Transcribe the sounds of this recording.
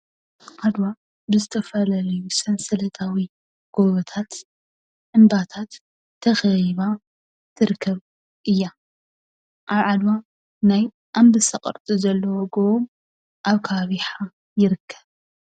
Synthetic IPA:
ʔad̪wa | bɨzɨt̪ʰɐfɐlɐlɐjusɐnsɐlɐt̪ʰawi | ɡ̥oβɐt̪ʰat̪ | ʔɨnbat̪ʰat̪ʰː | ɐxɐjβa | t̪ʰɨɾkʰːɐβ | ʔɨjːa | ʔaβʕad̪wa | naj | ʔambɨsɐqʼɨ̰ɾt̪ʼuzɐlːɐwɔɡoβom | ʔaβkʰɐβaβiħa | jɪɾɨkʰːɐ̥β

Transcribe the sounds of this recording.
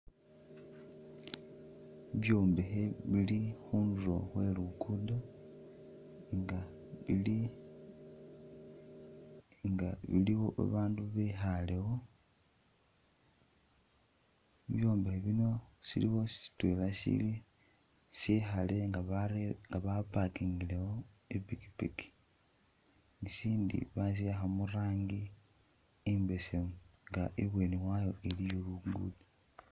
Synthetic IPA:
βjo̞ːmbexe̞βilixuːndulo̰xwe̞lukudo | ŋɡa | βili | ŋɡaβḭliβo̞ʔa̰βaːnduβexale̞ɣo̞ | βjo̞ːmbeeβino̞sḭliwo̞si̥si̥twelasḭli | sixaleŋɡaɾeŋɡaβapakiŋɡilewo | epiki̥piki̥ | ŋisiːndḭβas̬iaxamuraːŋɡi | imbe̞semuŋɡaʔeβwe̞ːniwajo̞ʔelijoluɡɡṵdi

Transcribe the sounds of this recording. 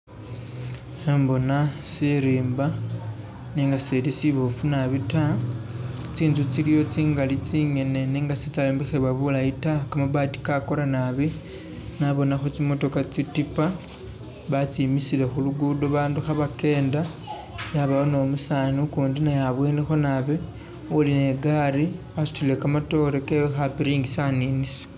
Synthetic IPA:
embo̞nasiɾiːmba | niːŋɡaselisiβofunaβita | t͡siːnzut͡silijo̞t͡siːŋɡalit͡siːŋe̞ne̞niːŋɡasit͡saloːmbixeβwaβulaitakamaβati̥kako̞ɾanaβi | naβo̞naxo̞t͡simo̞to̞kat͡sitipa | βat͡simisile̞xuluɡudoβaːnduxaβake̞ːnda | jaβaono̞musanukuːndinajaβweːnexo̞naβe | uline̞ɡaɾi | asu̥tilekamato̞ɾekeβexapiɾiːŋɡisaninise̥

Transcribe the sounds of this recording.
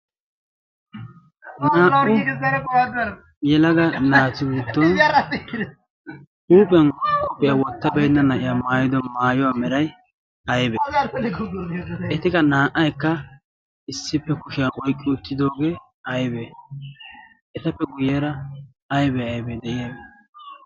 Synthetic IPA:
naːʔʊ | jɛlɐɡɐnaːt̪ːɪbuːt̪ːɔn | ʔuːpʼɪɐnʊpʼɪjawɔt̪ːɐbɛjnːɐnɐʔɪjamaːjɪd̪ɔmaːjɔwamɛɾɐj | ɐjbeː | ɛt̪ɪkɐnaːʔɐjkːɐ | ɪsːɪpːɛkʊʃɪjɐnʔɔjkʼːɪʊt̪ːɪd̪o̞ːɡeː | ɐjbe | ʔɛt̪ɐpːɛɡʊjeɾɐ | ɐjbɛɐjbed̪ɛʔɪjabe

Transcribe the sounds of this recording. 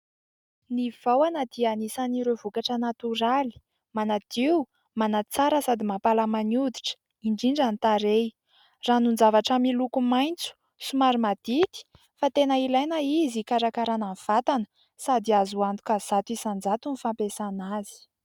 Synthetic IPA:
niv̥awanad̪ianisaniɾevukaʈ͡ʂənat̪uɾali̥ | manad̪̥i | manat͡saɾəsad̪imapalamanud̪iʈ͡ʂə̥ | iɳɖ͡ʐiɳɖ͡ʐanit̪aɾe | ranund͡zavaʈ͡ʂamilukumajnt͡su̥ | sumaɾimad̪̥it̪i̥ | fat̪enəilajnəizikaɾakaɾananv̥at̪anə̥ | sad̪iazuand̪u̥kaz̥at̪uisand͡zat̪unifampesanazi̥

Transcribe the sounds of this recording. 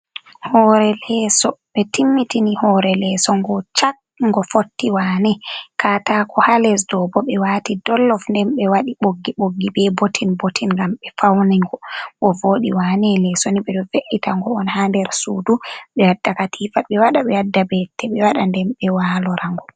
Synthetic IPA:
hɔɾɛlɛsɔɓɛtimːitinihɔɾɛlɛsɔŋɡɔt͡ʃak̚ | ŋɡɔfotːiwanɛkatakʰɔhalɛs̬dɔbɔɓɛwatidɔlːɔfndɛmɓɛwaɗiɓoɡːiɓoɡːibɛbotʰinbotʰinŋɡamɓɛfawniŋɡɔwɔvoɗiwanɛlɛsoniɓɛɗɔveʔitaŋɡɔɔnhandɛɾsuːduɓɛjadːakatʰifaɓɛwaɗaɓɛjadːabɛtʰːɛɓɛwaɗandɛmɓɛwaːlɔɾaŋɡɔ

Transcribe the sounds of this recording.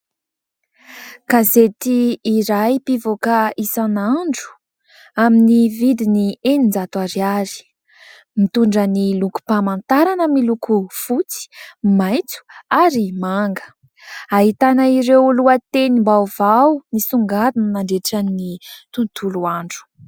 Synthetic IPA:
kazet̪iːɾajpivokaisanaɳɖ͡ʐu̥ | aminivid̪inienind͡zat̪aɾiaɾi̥ | mit̪uɳɖ͡ʐəniluku̥pamant̪aɾanəmilukufut͡si̥majt͡su̥aɾimaŋɡə̥ | aɦit̪anaiɾewluat̪enimbavawnisuŋɡad̪unnaɳɖ͡ʐeʈ͡ʂaninit̪unt̪ʰuluaɳɖ͡ʐu̥

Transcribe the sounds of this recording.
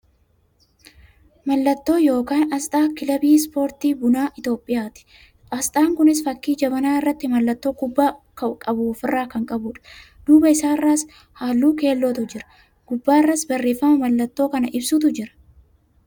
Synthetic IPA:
mɐlːɐt̪ːo̞ːjo̞ːkaːnɐst̪ʼaːkɪlɐbiːspo̞ːɾt̪iːbʊnaːʔɪt̪o̞ːpʼːɪjaːt̪ɪ̥ | ʔɐst̪ʼaːŋkʊnɪs̬fɐkːiːd͡ʒɐbɐnaːɪrːɐt̪ːɪmɐlːɐt̪ːo̞ːkʊbːaːkɐkʼɐbʊfɪrːaːkɐŋkʼɐbʊᶑɐ̥ | d̪̥uːbɐɪsaːɪrːaːs | haːlːuːke̞ːlːoːt̪ʊd͡ʒɪɾɐ̥ | ɡ̥ʊbːaːɪrːasbɐrːe̞ːfːɐmɐmɐlːɐt̪ːo̞ːkɐnɐʔɪbsuːt̪̬ʊd͡ʒɪɾɐ̥

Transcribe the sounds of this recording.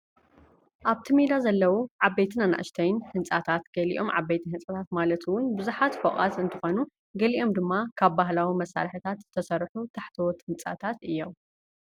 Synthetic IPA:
ʔaβt̪ʰimed̪azɐlːɐwuʕabejt̪ʰɨnana̰ʔʃt̪ʰɐjnhɨnt͡sʼat̪ʰat̪ɡ̥ɐlḭʔo̞̰mʕa̰bejt̪ʰihɨnt͡sʼat̪ʰat̪malɐt̪ʰwʊnbɨzuħat̪foχʼa̰t̪ɨnt̪ʰɨxo̞nu | ɡɐliʔo̞md̪ɨmːakʰaβbaɦlawimɐsːa̰ɾħit̪ʰat̪zɨt̪ʰɐsɐɾħut̪ʰaħt̪ʰɐwot̪hɨnt͡sʼa̰t̪ʰat̪ɨjːo̞m

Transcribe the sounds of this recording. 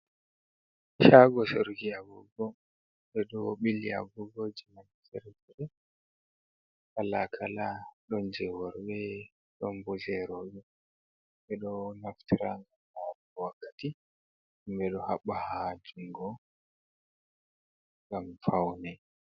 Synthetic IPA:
ʃaɡɔsoɾɡiavuɡɔ | bɛɗɔɓilia̰buɡod͡ʒɛmantɛɾɛtɛɾɛ | ɓalakʰalaɗɔnd͡ʒɛwɔɾɓɛ | ɗɔmbɔzɛɾoːɗi | ɓɛɗɔnaftiɾaŋɡamaɗɔwakːḁti | mbɛɗɔhaɓːahad͡ʒuŋɡɔ | ŋɡamfawnɛ

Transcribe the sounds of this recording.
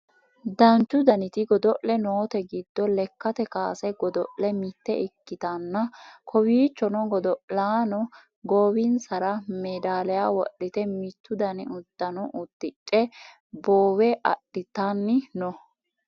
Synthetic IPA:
d̪ɐnt͡ʃːʊd̪ɐnɪt̪ɪɡɔd̪ɔʔlɛnoːt̪ɛɡɪd̪ːɔlɛkːɐt̪ɛkaːsɛɡɔd̪ɔʔlɛmɪt̪ːɛʔɪkːɪt̪ɐnːɐkʰɔwiːt͡ʃːɔnɔɡɔd̪ɔʔlaːnɔ | ɡoːwɪnsɐɾɐmɛd̪aːlɛjaːwɔ̰ɗːɪt̪ɛmɪt̪ːʊd̪ɐnɪ̰ʔʊd̪ːɐnɔʔʊt̪ːɪt͡ʃʼːɛ | boːwɛʔɐ̰ɗːɪt̪anːɪnɔ

